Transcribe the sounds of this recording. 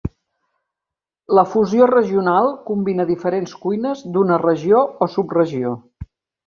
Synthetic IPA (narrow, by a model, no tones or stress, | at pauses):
ləfuziorəʒiunalˠkumbinəðifəɾenskujnəzd̪unərəʒioɔsuprəʒio